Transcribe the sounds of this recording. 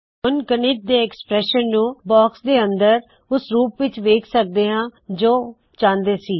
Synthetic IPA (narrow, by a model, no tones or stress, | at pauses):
ɦʊnkənɪʈ̚d̪eːɛkspɾɛːʃənːũːbɔːksd̪eːənd̪əɾ | ʊsɾuːpʋɪt͡ʃʋeːkʰsək̚d̪eːɦãːd͡ʒoː | t͡ʃãːnd̪eːsiː